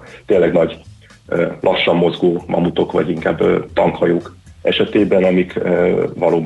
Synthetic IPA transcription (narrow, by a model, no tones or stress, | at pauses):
t̪eːnlːɛɡnɒɟ | lʔɒʃːɒmːo̞zɡoːmʔɒ̰mut̪o̞kʋɒ̰ɟiŋka̰ːbt̪ɒŋkhɒjoːkʔɛʃɛt̪eːbɛnɒmikːvɒloː